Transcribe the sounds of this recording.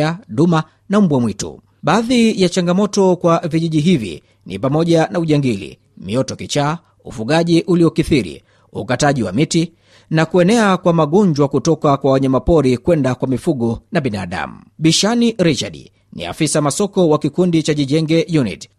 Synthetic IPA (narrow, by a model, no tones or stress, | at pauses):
aɗuma | nam̩ɓwamwitṵ | ɓaːðijat͡ʃaŋɡamɔtɔkwaviʄiʄiɦivḭ | nḭpamɔʄanauʄɛŋɡilḭ | miɔtɔkit͡ʃaː | ufuɠaʄiʔuliɔkiθiɾḭ | ukataʄiwa̰miti | nakuɛnɛakwamaɠɔɲd͡ʒwakutɔkakwawaɲamapɔɾikwɛndakwamifuɠɔnaɓina̰ːɗa̰mu | ɓiʃaniɾit͡ʃaɗ̰ | nḭa̰fisamasɔkɔwakikundit͡ʃaʄiʄɛŋɡɛjunḭt